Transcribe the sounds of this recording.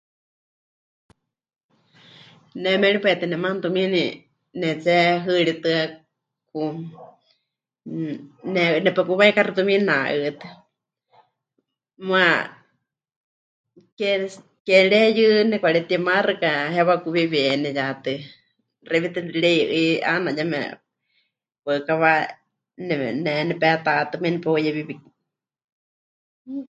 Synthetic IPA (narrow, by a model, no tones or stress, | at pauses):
nɛmɛɺipɛt̪ɨnɛmant̪umĩni | nɛt͡sɛɦɨɺit̪ɨa | ku | nɛnɛpɛkuβaikarit̪umĩnaʔɨt̪ɨ | mwa | kɛ | kɛɺɛjɨnɛkʷaɺɛt̪iɛmarɨkaɦɛβakuβiβɛnɛjat̪ɨ | rɛβit̪ɨɺɛʔɨiʔa̰najamɛ̰ | pəkaβa | nɛnɛnɛpɛt̪at̪ɨminɛpɛjɛβiβi